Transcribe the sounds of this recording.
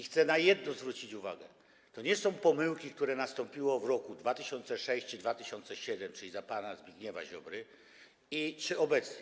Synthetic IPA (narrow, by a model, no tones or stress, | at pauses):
ixt̪sɛnajɛd̪nɔzvɾut͡ɕit͡ɕuva̰ɡɛ | t̪ɔɲɛsɔ̃w̃pɔmɘwkʲik̚t̪uɾɛnast̪ɔ̃mpʲiwɔvɾɔkud̪vat̪ɘɕɔnt̪sɛʂɛɕt͡ɕd̪vat̪ɘɕɔnt̪sɛɕɛd̪ɛmt͡ʂɘlʲizapanazbʲiɡɲɛva̰ʑɔbɾɘ | it͡ʂɘɔbɛt̪sɲɛ